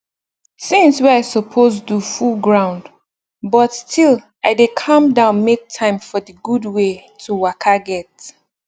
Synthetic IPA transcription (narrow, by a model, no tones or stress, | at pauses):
sĩnsweaɪsɔpʰos̬dufulˠɡɹãʊ̃nd | bɔtstʰil | ʔaɪdekʰʌ̃mdãʊ̃nmek̚tʰãɪ̃mfɔdəɡudwetʰuwakʰaɡɛt